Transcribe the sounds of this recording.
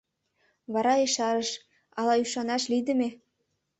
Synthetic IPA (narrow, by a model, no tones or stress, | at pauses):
βɑɾɑeʃɑɾə̆ʃ | ɑlɑyʃɑnɑʃlid̪ə̆me